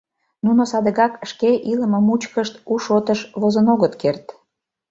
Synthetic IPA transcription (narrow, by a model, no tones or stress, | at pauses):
nunosɑd̪əɣɑkʃkeʔiləməmut͡ɕkəʃt̪uʃot̪əʃβozənoɣət̪kert̪